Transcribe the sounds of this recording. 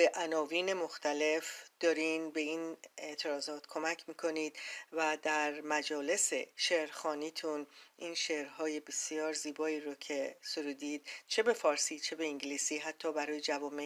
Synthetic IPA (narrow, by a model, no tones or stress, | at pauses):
beʔænɒːviːne̞mo̞xt̪ʰæle̞fd̪̥ɒːɾinbe̞iːne̞ʔt̪ʰe̞ɾɒːzɒːt̪kʰo̞mæcʰmiːkʰo̞niːd̪væd̪æɾmæd͡ʒɒːle̞seʃeɾxɒːniːt̪ʰunʔiːnʃehɾɦɒːje̞be̞sijɒːɾziːbɒːiːɾocʰe̞soɾuːd̪iːd̪̥̚t͡ʃʰe̞be̞fɒːɾsiːt͡ʃʰe̞be̞iŋɟliːsiːɦæt̪ʰːɒːbæɾɒːjed͡ʒævɒːme